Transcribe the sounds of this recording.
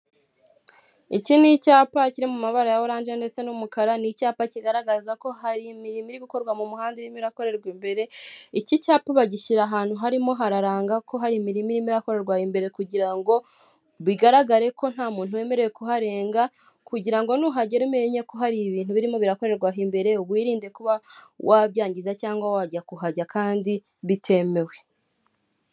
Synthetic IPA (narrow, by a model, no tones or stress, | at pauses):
icinicaːpaciɾimumaβaɾajawoɾaːnd͡ʒende̞t͡se̞numukaɾanicaːpaciɡaɾaɡazako̞ɦaɾimiɾimiɾiβiko̞ɾɡwamumuhaːndiɾimiɾako̞ɾe̞ɾɡwimbe̞ɾe̞icicaːpaβaɟiʃiɾaɦaːn̥huɦaɾimo̞ɦaɾaɾaːŋɡako̞ɦaɾimiɾimiɾimiɾako̞ɾe̞ɾɡwahimbe̞ɾe̞kuɟiɾaŋɡo̞ | βiɡaɾaɡaɾe̞ko̞n̥haːmuːn̥huwe̞ːme̞ɾejekuɦaɾe̞ːŋɡa | kuɟiɾaŋɡo̞nuɦaɟeɾumeɲekoɦaɾiβiːn̥huβiɾimo̞βiɾako̞ɾe̞ɾɡwaɦimbe̞ɾe̞uβwiːɾiːnde̞kuβawʔaβjaːɲɟizacaːŋɡwawaɟakuɦaɟakaːndi | βitʰe̞me̞we̞